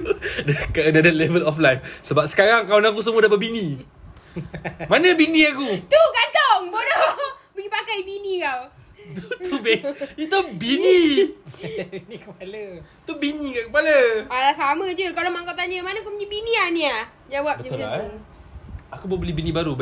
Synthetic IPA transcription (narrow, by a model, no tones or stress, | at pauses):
dəkaənadalɛvəlɔflajfsəbap̚sə̥kaɾaŋkanakus̬əmuadapət̪̚bini | manəbinĩakut̪ukat̪oŋbodɔ | bəɡipakajbinikaw | t̪uuit̪abini | pal | t̪ubinikaʔkəpaləalasaməd͡ʒəkalamaŋkawt̪aɲəmanə̃kupəɲibinĩania | d͡ʒawap̚bəə | akubəbəlibinĩbaɾub